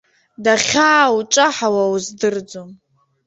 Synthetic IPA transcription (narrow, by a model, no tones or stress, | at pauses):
daχʲaːut͡ʃʼaħawauzdɨrd͡zom